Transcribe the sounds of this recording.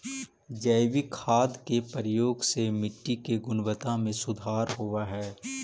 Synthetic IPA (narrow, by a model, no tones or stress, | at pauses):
d͡ʒəːʋikʰaːd̪kepəɾəjoːɡsemɪʈːikeɡʊnwət̪ãmẽsʊd̪ʱaːɾɦuaɦɛː